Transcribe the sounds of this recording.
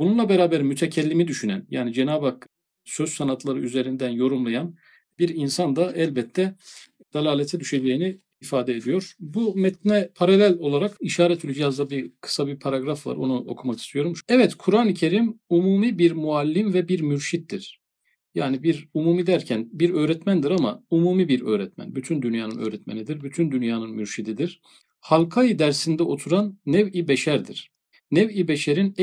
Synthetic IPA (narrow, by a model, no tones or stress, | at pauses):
bununlˠabeɾaːbæɾmyt̪ʰɛcʰɛlʲːimid̪yʃynæ̰nja̰ːnid͡ʒe̞naːbak | søz̥sanat̪ʰlˠaɾɯyze̞ɾind̪ænjo̞ɾumlˠajan | biɾinsand̪aʔɛlʲbɛt̪ʰːɛ | d̪̥alʲaːlʲet̪ʰɛd̪yʃed͡ʒe̞jiniː | faːd̪ɛed̪ijo̞ɾbumɛt̪̚nɛpʰaɾalʲælʲo̞lˠaɾakiʃaːɾɛt̪ʰylʲyd͡ʒijazd̪abikʰɯ̥sabipʰaɾaɡɾafva̰ɾo̰nuʔo̞̰kʰumakʰi̥st̪ʰijo̞ɾumʃɛvɛt̪kʰuɾaːnɯcʰe̞ɾimumuːmibiɾmualʲːimvɛbiɾmyɾʃit̪̚d̪iɾ̥ | jaːnibiɾumuːmid̪æɾcʰænbiɾø̞ːɾɛt̪mænd̪iɾama̰umuːmibiɾø̞̰ːɾɛt̪mæ̰nbyt̪ʰynd̪ynjaːnɯnø̰ːɾɛt̪menid̪iɾbyt̪ʰynd̪ynjaːnɯnmyɾʃid̪id̪iɾ̥ | halˠkʰajɯd̪æɾsind̪ɛo̞t̪ʰuɾanːɛvibɛʃæɾd̪ḭɾ̥ | nɛvibeʃeɾin